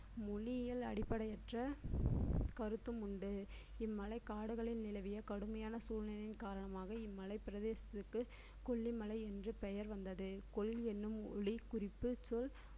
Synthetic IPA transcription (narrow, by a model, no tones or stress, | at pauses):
mʊɭɪjɪlɐ̰ɽɪpːɐɽɐjɛʈrɐ | kɐɾɯt̪ːɯmʊɳɖɯ | ɪmːɐlɐɪkaːɽɯɣɐɭɪnnɪlɐʋɪjɐkɐɽɯmɐjaːnɐsuːɻnɐnɪnkaːɾɐɳɐmaːɣɐɪmːɐlɐɪpːɪɾɐðeːsɐt̪ːɯkːɯ | kɔɭːimɐlɐɪɛndrɯpɛjɐɾʋɐnd̪ɐðɯkɔɭːɛnːɯmɔɻikʊrɪpːɯsɔl